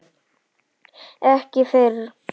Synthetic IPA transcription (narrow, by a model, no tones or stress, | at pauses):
ɛhcɪfɪɾ